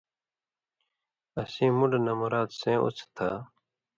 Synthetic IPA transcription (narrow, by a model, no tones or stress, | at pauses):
əsĩːmuɖnəmɾaːt̪sẽːʔo̰t͡sʰt̪ʰaː